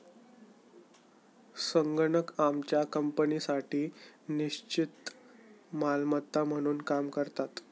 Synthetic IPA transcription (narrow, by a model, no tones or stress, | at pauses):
səŋɡəɳəkamt͡ɕjakəmpənisaʈiːniɕt͡ɕit̪ | malmət̪ːam̤əɽ̃uːnkamkəɾt̪at̪